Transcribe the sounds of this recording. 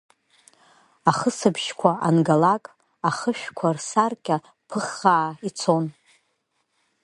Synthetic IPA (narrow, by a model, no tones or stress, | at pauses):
aχəsɨbʰʃkʷʰaanɡalakʼ | aχəʃᶣkʷʰarsarkʲʼa | pʰɨχːaːit͡sʰo̞n